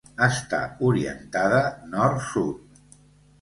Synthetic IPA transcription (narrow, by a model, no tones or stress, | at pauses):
əst̪a̰uɾiə̰nt̪aðənɔɾt̪sut̪̚